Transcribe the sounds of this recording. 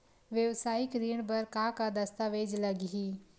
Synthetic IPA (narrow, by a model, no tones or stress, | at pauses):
ʋjəʋsaːɪkɾiːɳbɐɾkakad̪ɐst̪aːʋeːd͡ʒlɐɡiɦiː